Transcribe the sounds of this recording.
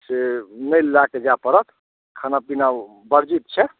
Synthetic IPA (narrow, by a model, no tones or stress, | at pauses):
senəjlːaked͡ʒapəɾət̪ | kʰənapinaw | bəɾd͡ʒit̪̚t͡ʃʰɛ